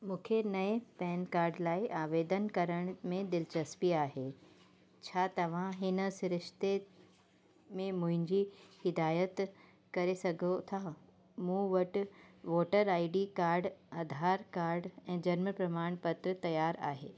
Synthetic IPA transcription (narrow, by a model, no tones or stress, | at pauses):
mũːkʰenɐepɛːnkaːɾɖlaːiʔaːʋeːd̪ənkɐɾəɽ̃mẽd̪ɪlt͡ɕɐspiaːɦe | t͡ɕʰaːt̪ɐʋ̤ãɦɪnə̆sɾɪʃt̪e | mẽmʊ̃ɦɪ̃ɲd͡ʑihɪd̪aːjət̪ | kɐɾesɐɡʱot̪ʰa | mũːʋɐʈ̆ʋoːʈəɾaːiɖikaːɾɖɐd̪ʱaːɾkaːɾɖɛ̃ːd͡ʑɐɾməpɾɐmaːɽ̃pɐt̪ɾət̪ɐjaːɾa̰ːɦeː